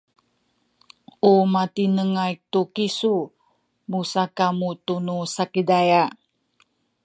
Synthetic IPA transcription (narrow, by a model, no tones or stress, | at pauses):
ʔumatinəŋajk̚t̪ukisu | musakamut̪unusakidaja